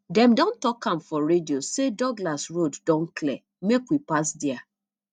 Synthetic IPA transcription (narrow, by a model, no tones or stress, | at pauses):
dɛ̃mdɔ̃ntɔkãmfɔɾediosedɔɡlasɹoddɔ̃nkʰlɛ | mekwipasdɛa